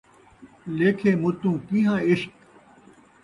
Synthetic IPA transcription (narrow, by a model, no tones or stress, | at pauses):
leːkʰeːmʊt̪ũːkiɦãːɪʃk